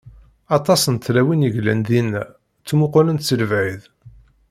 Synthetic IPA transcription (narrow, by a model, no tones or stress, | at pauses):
ɑt̪ˤɑsənt̪læwinəʝlænðinːæ | t͡sːmʊqʊlənt̪t͡sːəlvʕið